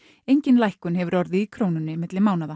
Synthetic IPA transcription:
ejɲcɪnlajhkʏnɦɛvʏɾɔɾðɪikʰɾoːwnʏnːɪmɪt̪lɪmaːwnaða

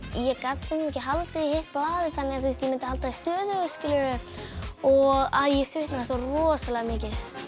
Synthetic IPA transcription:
jɛkasɪnmɛhcɪɦalt̪ɪðhejht̪̚paːðɪθanːɪɣaθwuis̬t̪jɛmɪnt̪ɪhalt̪aðɪst̪œːðʏʏskcɪlʏɾʏ | ɔɣaðjɛsvɪht̪naasɔrɔːsalɛɣamɪːcɪθ

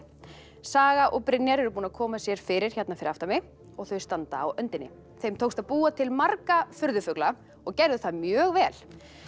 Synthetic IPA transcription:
saːɣaʔɔɣpɾɪnjaɾɛɾʏpuːnaðkʰɔːmasjɛɾ̥fɪɾɪɾ̥çɛt̪nafɪɾɪɾaft̪amɪ | ɔɣθœɥst̪ant̪aːwœnt̪ɪnːɪ̰ | θejmt̪ʰoːwst̪aðpuːat̪ʰɪlmarkafʏɾðʏfœkla | ɔɣcɛɾðʏθaðmjœːɣvɛːl

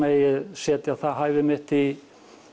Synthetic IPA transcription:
eːjɪðsjɛːt̪jawθaðɦajvɪmɪht̪i

